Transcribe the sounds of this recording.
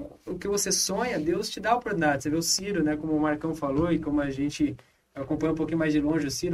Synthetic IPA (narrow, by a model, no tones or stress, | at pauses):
ʊkɪvosesõɲɐd̪ewst͡ʃɪd̪aopoɾt̪unid̪add͡ʒɪseveʊsiɾʊnɛkõmʊʊmaɾkɐ̃w̃faloɪkõmʊaʒẽt͡ʃɪ | akõpɐ̃j̃ɐũpowkĩɲʊmajzd͡ʒɪlõʒɪʊsiɾʊ